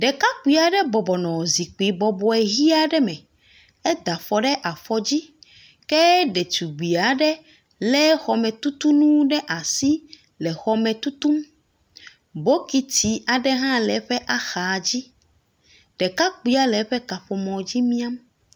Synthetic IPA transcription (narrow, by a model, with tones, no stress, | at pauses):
ɖɛ˨ka˦k͡pi˦a˨ɖɛ˦bɔ˨bɔ˨nɔ̃˨zi˨k͡pi˨bɔ˨bɔ˦ɛ˨ɣi˦a˦ɖɛ˦mɛ̃˨ | ɛ˦d̪a˨fɔ˨ɖɛ˦ʔa˨fɔ˨d͡ʑi˦ | kɛ˦ɖe˨t̪u˨ɡ͡bi˨a˨ɖɛ˦ | lɛ˦xɔ˨mɛ̃˨t̪u˦t̪u˦nũ˦ɖɛ˦ʔa˨si˦ | lɛ˨xɔ˦mɛ̃˨t̪u˦t̪u˦m | bo˦ki˦ti˦a˨ɖɛ˦ɦã˦lɛ˨˦ɸɛ˦ʔa˦xa˨d͡ʑi˦ | ɖ̥ɛ˨ka˦k͡pi˦a˦lɛ˨˦ɸɛ˦ka˨ɸɔ˨mɔ̃˨d͡ʑi˦mĩ˦a˦m